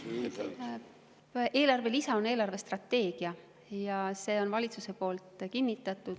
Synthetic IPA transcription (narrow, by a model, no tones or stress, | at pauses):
ʔe̞ːlɑrve̞lisɑo̞ne̞ːlɑrve̞st̪rɑt̪ːe̞ːɡ̥iɑ | jɑse̞ːo̞nvɑlʲit̪suse̞po̞ːlt̪ˑkinːit̪ːˑɑt̪ːˑud̪̥